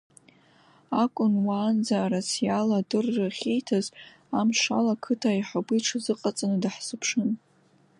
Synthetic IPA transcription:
akʷʼʊnwaːnd͡zaɾasijaladɨrːɨχʲe̞jtʰaz | amʃa̰lakʰɨtʰaiħabɨjʈ͡ʂʰzɨqʼat͡sʼanɨdaħsɨpʰʂɨn

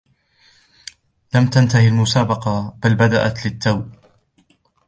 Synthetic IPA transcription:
lamt̪ant̪ahɪlmʊsaːbɑqɑbalbad̪aʔat̪lɪt̪ːaw

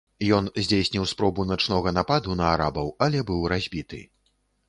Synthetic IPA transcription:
jɔnzʲd͡zʲejsʲnʲiwspɾɔbunat͡ʂnɔɣɐnapad̪unɐaɾabɐwalʲɛbɨwɾazʲbʲit̪ɨ̰

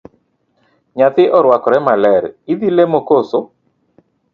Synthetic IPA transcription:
ɲat̪ɪʔɔɾwakɔɾɛmalɛɾid̪ilemokoso

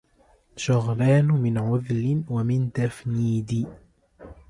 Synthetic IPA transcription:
ʃʊɣɾɑːnmɪnʕʊðlɪwamɪnt̪afniːd̪ɪ

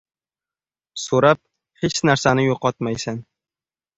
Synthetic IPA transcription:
soɾap̚ | het͡ʃnaɾsanɪjoqʰɒt̪majsan

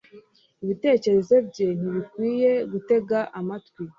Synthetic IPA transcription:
iβite̞ːce̞ɾe̞zo̞bɟe̞n̥iβikwiːjeɡute̞ɡaʔamatkwi

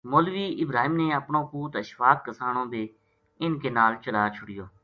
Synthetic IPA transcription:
moːlʋiːʔɪbɾaːɦiːmneːəpɳõːkuːt̪əʃʋaːkəsaːɳ̃õːbʱeː | ɪnkeːnaːlt͡ʃəlaːt͡ʃʰʊɽɪjoː

